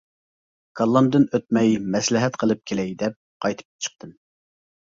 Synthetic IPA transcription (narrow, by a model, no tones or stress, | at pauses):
kʰɑlˠːɑmd̪ɨnøt̪̚mɛjmɛslɪɦɛt̪qʰəlˠɨp̚kʲʰelɛjd̪ɛp̚qʰɑjt̪ʰɨ̥p̚t͡ʃʰə̥q̚t̪ʰɨn